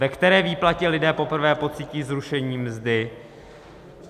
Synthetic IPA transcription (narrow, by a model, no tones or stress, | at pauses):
vɛkt̪ɛɾɛːviːplacɛlɪdɛːpo̞pr̩vɛːpo̞t͡siːciːzɾuʃɛɲiːmzdɪ